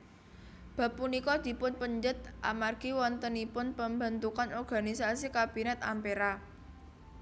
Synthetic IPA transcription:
b̥ä̤pːunikɔd̪̥i̤pʊnpəɲd͡ʒət̪̚ʔa̰marɡ̥iwɔnt̪ənipʊnpəmbə̤nt̪ukanɔrɡ̥a̤nisasikab̥i̤nɛt̪a̰mpeɾa

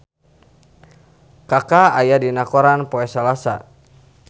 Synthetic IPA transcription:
kakaajadinakɔɾanpɔɛsalasa̰

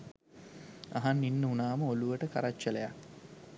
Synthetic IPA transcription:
a̰ɦanːinːəunaːməoluʋəʈəka̰ɾat͡ʃːəlejak

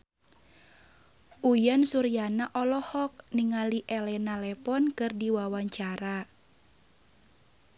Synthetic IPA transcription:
ʔujansuɾijanaʔɔlɔhɔk̚niŋaliʔɛlɛnalɛpɔnkɨrdiwawaɲt͡ʃaɾa

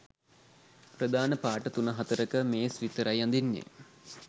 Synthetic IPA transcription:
prəd̪aːnəpaːʈət̪unəɦat̪əɾəkəmeːsʋit̪əɾajand̪inːḛ

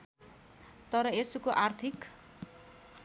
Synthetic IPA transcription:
t̪ʌɾʌesukoʔart̪ʰik

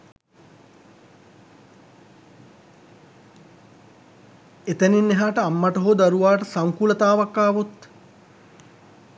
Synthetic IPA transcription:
et̪əninːeɦaːʈəamːaʈoɦoːd̪aɾuʋaːʈəsaŋkulət̪aːʋakːaːʋut̪

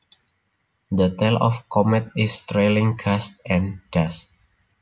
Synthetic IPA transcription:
dət̪ɛlɔ̰fkɔmɛt̪̚ɪst̪ɾelĩŋkʰast̚ɛ̃ndast̚

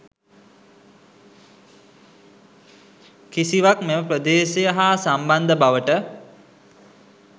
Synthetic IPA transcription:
kisiʋakmeməpɾəd̪eːʃejəɦaːsamband̪əbaʋəʈə

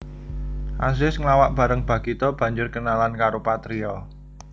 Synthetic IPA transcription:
ʔas̬ɪsŋlawaʔb̥ä̤ɾəŋb̥ä̤ɡ̥it̪ɔb̥ä̤ɲd͡ʒʊrɡənalankaɾopat̪ɾiɔ

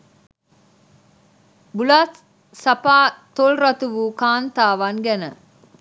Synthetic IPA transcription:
bulas | sɐpaːt̪olɾɐt̪uʋukaːnt̪aːʋanɡænə

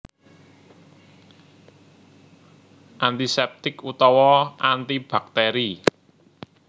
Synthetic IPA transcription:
ʔant̪isɛp̚t̪ɪkut̪ɔwɔant̪ib̥a̤k̚t̪ɛɾi

